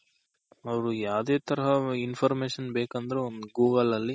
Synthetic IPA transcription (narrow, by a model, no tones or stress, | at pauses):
ɐʋɐɾujaːd̪eːt̪ɐɾɐɦɐinfʰɐɾmeːʂɐnbeːkɐnd̪ɐɾeond̪uɡuːɡɐlɐlːi